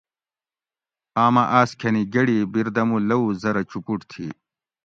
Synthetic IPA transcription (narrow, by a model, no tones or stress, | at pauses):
aːmɐʔaːskʰɐniɡɐɽibiɾd̪ɐmulɐuzɐɾɐt͡ɕupuʈt̪ʰḭ